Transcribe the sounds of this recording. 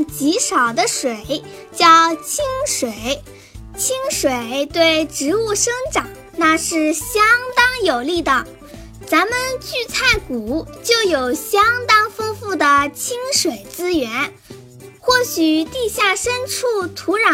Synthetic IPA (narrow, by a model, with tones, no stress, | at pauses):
t͡ɕi˧˥ʂɑ˨˩ʊd̪ə˦ʂwe˨˩˦ɪ | t͡ɕjɑ˥ʊt͡ɕʰi˥ŋʂwe˨˩˦ɪ | t͡ɕʰi˥ŋʂwe˨˩˦ɪt̪we˥˩ɪʈ͡ʂɻ̩˧˥u˥˩ʂɤ˥ŋʈ͡ʂɑ˨˩˦ŋ | na˥˧ʂɻ̩˥˩ɕjɑ˥ŋt̪ɑ˥ŋjo˨˩ʊli˥˩d̪ə˩ | t͡sa˧˥nmə˧nt͡ɕy˥˧t͡sʰa˥˩ɪku˨˩˦t͡ɕjo˥˩ʊjo˨˩ʊɕjɑ˥ŋt̪ɑ˥ŋfɤ˥ŋfu˥˩d̪ə˩t͡ɕʰi˥ŋʂwe˨˩ɪt͡sɹ̩˥ɥɛ˧˥n | xwɔ˥˩ɕy˨˩t̪i˥˧ɕja˥˩ʂə˥nʈ͡ʂʰu˥˩t̪ʰu˧˥ɻa˧˥